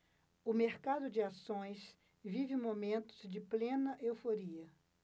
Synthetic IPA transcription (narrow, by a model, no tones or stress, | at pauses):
ʊmeɾkad̪ʊd͡ʒɪasõj̃s | vivɪmomẽnt̪ʊ̥zd͡ʒɪplẽnɐʔewfoɾiɐ